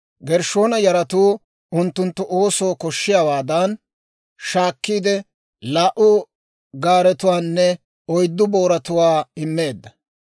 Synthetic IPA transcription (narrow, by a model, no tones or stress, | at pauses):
ɡɛɾʃo̞ːnɐjɐɾɐt̪uː | ʊnt̪ːʊnt̪ːʊʔo̞ːsoːkɔʃːɪjawaːd̪ɐn | ʃaːkːiːd̪ɛ | laːʔʊ | ɡaːɾɛt̪ʊwaːnːɛ | ɔjd̪ːʊbo̞ːɾɐt̪ʊwaːɪmːe̞ːd̪ːɐ